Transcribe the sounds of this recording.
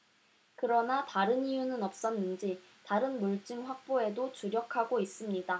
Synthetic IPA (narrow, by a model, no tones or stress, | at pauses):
kɯɾʌnataɾɯnijunɯnʌp̚s͈ʌnːɯnd͡ʑi | taɾɯnmuɭt͡ɕ͈ɯŋɸwak̚p͈oe̞dot͡ɕuɾjʌkʰaɡois͈ɯmɲida